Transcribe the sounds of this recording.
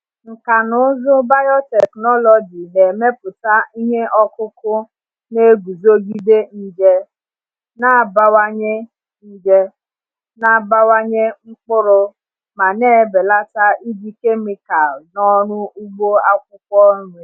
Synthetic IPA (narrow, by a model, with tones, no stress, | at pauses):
ŋ̩˨ka˨nʊ˦zʊ˦ba˦jɔ˦te˨knɔ˦lɔ˨d͡ʒi˨ne˨me˦pʊ˨ta˦i˦ɦe˦ʔɔ˦kʊ˦kʊ˦ | ne˦ɡu˨zo˦ɡi˦de˦ni˦d͡ʒe˦ | na˦˨ba˦wa˦ɲe˦ | ni˦d͡ʒe˦ | na˨ba˦wa˦ɲe˦ŋ͡m̩˦k͡pʊ˦ɾʊ˦ | ma˨ne˦˨be˨la˦ta˦ʔi˦bi˦ke˦mi˦ka˨nɔ˦ɾʊ˦u˦ɡ͡bo˦a˦kʷʊ˦kɔ˦ɾʊ˦e˨